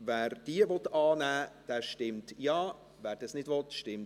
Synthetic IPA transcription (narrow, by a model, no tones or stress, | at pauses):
vɛːɾd̥iːəvɔt̪ɑːnæːd̥ɛːʃtɪmtjɑː | væːɾd̥ɑsnɪdvɔtʃtɪmt